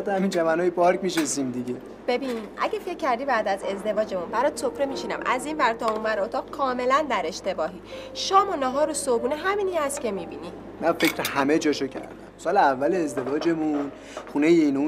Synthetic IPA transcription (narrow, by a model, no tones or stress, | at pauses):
t̪hæmind͡ʒæmænɒːjepʰɒɾcmiʃosimd̪iɟe | b̥e̞binid̪ʔæ̰ɟefe̞cʰʲːæɾd̪iːbæːd̪æze̞zd̪e̞vɒːd͡ʒemunbæɾɒːt̪sofɾemiːt͡ʃʰiːnæ̰mʔæziːnbæɾt̪ʰɒːumæɾeot̪ʰɒːʁkʰɒːme̞lænd̪æɾe̞ʃt̪e̞bɒːɦiː | ʃomoːnɒːɦɒːɾosobuːneɦæmiːnihæst̪cʰʲe̞mibiːni | mæfe̞cʰɾehæme̞d͡ʒɒːʃocʰæ̰ɾd̪æmsɒːleævːæleːzd̪e̞vɒːd͡ʒe̞mun | xunejeinu